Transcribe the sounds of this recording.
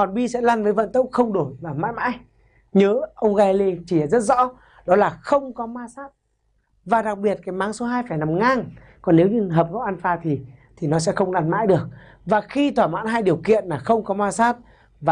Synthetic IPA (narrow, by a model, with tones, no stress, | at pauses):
ɔ˨˩nɓi˧sɛ̰˧˥laː˧nvəː˨˦jvə̰˧˨nt̪ə˦˥k͡p̚xə˧wŋ͡mɗo˧˩jmaː˨˩ma̰ː˧˥jma̰ː˧˥j | ɲəː˨˦ʔə˧wŋ͡mɣa˧le˧t͡ɕi˧˩aː˨˩zə˦˥t̚zɔ̰˧˥ | ɗɔ˨˦laː˨˩xə˧wŋ͡mkɔ˨˦maː˧saː˦˥p̚ | vaː˨˩ɗa˨˩k̚ɓi˨˩ət̚kaː˨˦jmaː˨˦ŋso˨˦ɦaː˧jfaː˧˩jna˨˩mŋaː˧˩ŋ | kɔ˨˩nne˨˦wɲɨ˧ɦəː˨˩p̚ɣɔ˨˦ʔa˧nfaː˧˩t̪ʰi˨˩t̪ʰi˨˩nɔ˨˦s̬ɛ̰˧˥xə˧wŋ͡mlaː˧nma̰ː˧˥jɗɨ˨˩ək̚ | vaː˨˩xi˧t̪ʰwaː˧˩ma̰ː˧˥nɦaː˧jɗi˨˩əwkḭ˧˨ənlaː˨˩xə˧wŋ͡mkɔ˨˦maː˧saː˦˥p̚ | vaː˨˩